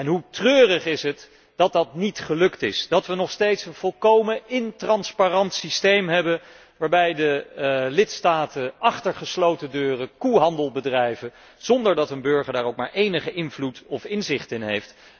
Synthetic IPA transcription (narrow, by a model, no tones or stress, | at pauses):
ɛnɦutrøːrəχɪsɦət | d̥ɑt̚dɑtnitχəlɵktɪsd̥ɑtʋənɔχstejtsənv̥ɔlˠkowməɪntrɑnsparɑntsistejmɦɛbən | ʋaːɹbɛjdəlɪtstaːtəʔɑχtəɹχəslowtədøːrəkuɦɑndəlˠbədrɛjvə | z̥ɔndəɹdɑtənbøɹχəɹdaːɹowk̚maːɹʔejnəχəʔɪnvlutɔfɪnzɪχtɪnɦejft